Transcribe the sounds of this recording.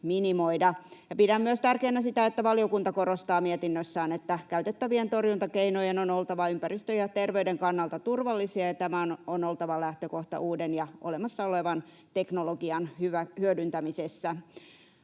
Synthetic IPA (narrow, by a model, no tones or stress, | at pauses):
minimoidɑjɑpidæmːyøst̪ærkeːnæsit̪æet̪ːæʋɑliokunt̪ɑkorost̪ɑːmiet̪inːøsːæːnet̪ːækæyt̪et̪ːæʋient̪orjunt̪ɑkeinojenonolt̪ɑʋɑympærist̪øjɑt̪erʋeydeŋkɑnːɑlt̪ɑt̪urʋɑlːisiɑjɑt̪æmæononolt̪ɑʋɑlæht̪økoht̪ɑ̰ʔuːdenjɑʔolemɑsːɑoleʋɑn | t̪eknoloɡiɑnhyæhyødynt̪æmisesːæ